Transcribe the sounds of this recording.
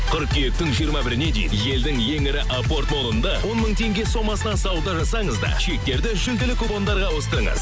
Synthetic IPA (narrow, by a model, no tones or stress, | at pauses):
qʰʏɾk̚kʲʰːijek̚t̪ɪŋʒijəɾmɑbɪɾɪne̞d̪ḛjd̪je̞ld̪ɪŋje̞ŋɪɾɪʔapo̞rt̪mo̞lˠənd̪ɑwo̞nməɴt̪ʰe̞ŋɡʲe̞so̞mɑsənɑnsɑwud̪ɑʒɑsɑɴəzd̪ɑ̰ʃe̞k̚t̪e̞ɾd̪ɪʒʏld̪ɪlɪkʰubo̞nd̪ɑɾʁɑwo̞st̪əɾəɴə̰z̥